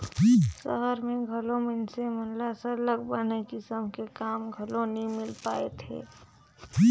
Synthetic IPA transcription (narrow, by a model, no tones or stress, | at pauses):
sə̰ɦəɾmẽɡʱəlomɪnsemənlasələɡbənekɪsəmkekaːmɡʱəlonimɪlpaːet̪ʰḛː